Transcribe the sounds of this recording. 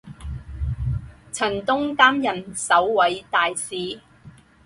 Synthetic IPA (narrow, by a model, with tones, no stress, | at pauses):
t͡sʰɐ˨˩nt̪ʊ˥ŋkaː˥mjɐ˨˩nsɐ˨˥wwɐ˨˥jt̪aː˨jsiː˨˩